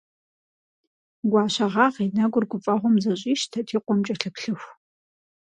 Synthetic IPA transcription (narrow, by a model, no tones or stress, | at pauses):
ɡʷɑːɕɐʁɑːʁinɐɡʷʊrɡʷʊpʼɐʁʷɔmzɐɕʼiːʃtʰɐtʰiːqʷɔmt͡ʃʼɐɬɨpɬɨxʷ